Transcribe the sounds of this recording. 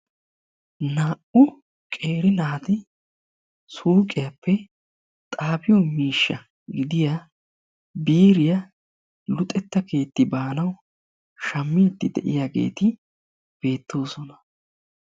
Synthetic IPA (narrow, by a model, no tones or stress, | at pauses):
naːʔʊ | kʼe̞ːɾɪnaːt̪ɪ | suːkʼɪjapʰːɛ | t̪ʼaːbɪjɔmiːʃːɐ | ɡɪd̪ɪja | biːɾɪja | lʊt̪ʼːɛt̪ːɐke̞ːt̪ːɪbaːnɐw | ʃɐmːɪt̪ːɪd̪ɛ̰ʔɪ̰jaːɡe̞̰ːt̪ɪ | b̥e̞ːt̪ːo̞ːsɔnɐ̥